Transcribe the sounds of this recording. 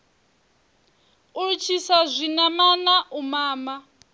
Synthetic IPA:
ut͡ʃʰisazʷinamanaʔumaːma

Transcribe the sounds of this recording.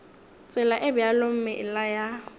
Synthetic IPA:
t͡sʼɪlaʔɪbɪalom̩mɪʔɪlaja

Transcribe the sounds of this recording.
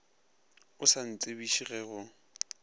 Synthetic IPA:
ʊsan̩t͡sʼebiʃiɣɛɣʊ

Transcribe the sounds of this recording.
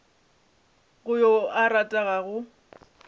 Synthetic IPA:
ɣʊjɔaɾatʼaɣaɣʊ

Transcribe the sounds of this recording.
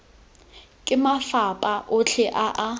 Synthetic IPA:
kʼɪmafapʼaʔʊɬʰɛʔaʔa

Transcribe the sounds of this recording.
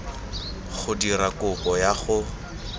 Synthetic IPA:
χʊdiɾakʊpɔjaχʊ

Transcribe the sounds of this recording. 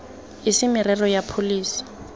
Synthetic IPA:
ɪsɪmɪrɛrɔjapʰoliːsi̥

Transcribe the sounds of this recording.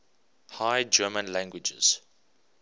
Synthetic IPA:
hajd͡ʒɜmə̃nlæ̃ŋɡwɪd͡ʒə̰z̥

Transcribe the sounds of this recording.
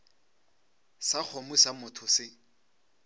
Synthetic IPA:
sak͡xʰɔmʊsamʊtʰʊsɪ

